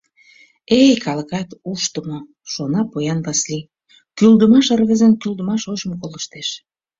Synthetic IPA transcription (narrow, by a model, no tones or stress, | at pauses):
ejkɑləkɑt̪uʃt̪əmo | ʃonɑpojɑnβɑsli | kyld̪əmɑʃərɣəzənkyld̪əmɑʃoʃmokoləʃt̪eʃ